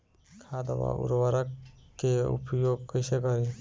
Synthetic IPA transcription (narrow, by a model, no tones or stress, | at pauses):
kʰad̪ɔba̰ṵɾwaɾakːeṵpʰjoɡkɔjsekɔɾi